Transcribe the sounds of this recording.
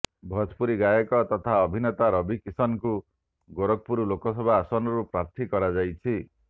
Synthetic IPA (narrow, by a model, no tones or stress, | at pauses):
bʱɔd͡ʒpuɾiɡajɔkɔt̪ɔt̪ʰaɔbʱinɔt̪aɾɔbʱikisɔnku | ɡoɾɔk̚puɾulokɔsɔbʱaːsɔnɔɾupɾaɾt̪ʰikɔɾad͡ʒajt͡ʃʰi